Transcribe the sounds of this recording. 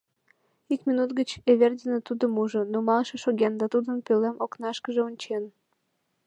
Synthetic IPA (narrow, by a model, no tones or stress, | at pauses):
ikmʲinut̪ɡət͡ɕeβerdʲənet̪ud̪əmuʒənomɑlʃeʃoɣend̪ɑt̪ud̪ənpølemoknɑʃkəʒeonʲt͡ɕen